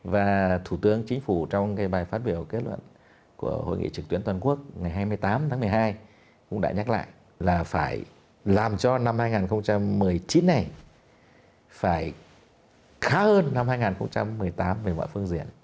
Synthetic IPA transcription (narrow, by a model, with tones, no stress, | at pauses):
vaː˨˩t̪ʰu˧˩t̪ɨ˨˦əŋt͡ɕï˨˦ŋ̟fu˧˩t͡ɕɔ˧wŋ͡mkaː˨˦jɓaː˨˩jfaː˦˥t̚ɓi˧˩əwke˦˥t̚lwə̰˧˨n | ku˧˩əho̰˧˨jŋḭ˧˨t͡ɕɨ˨˩k̚t̪wi˨˦ənt̪waː˨˩nku˦˥ək̚ŋa˨˩jɦaː˧jmɨ˧əjt̪aː˨˦mt̪ʰaː˨˦ŋmɨ˨˩əjɦaː˧j | kʊ̰˧˥ŋ͡mɗa̰ː˧˥ɲaː˦˥k̚la̰ː˧˨jʔ | laː˨˩faː˧˩j | laː˨˩mt͡ɕɔ˧na˧mhaː˧jŋaː˨˩nxə˧wŋ͡mt͡ɕa˧mːɨ˨˩əjt͡ɕi˨˦nːa˨˩j | faː˧˩j | xaː˨˦həː˧nːa˧mhaː˧jŋaː˨˩nxə˧wŋ͡mt͡ɕa˧mːɨ˨˩əjt̪aː˨˦mve˨˩mɔ̰˧˨fɨ˧əŋzḭ˧˩ən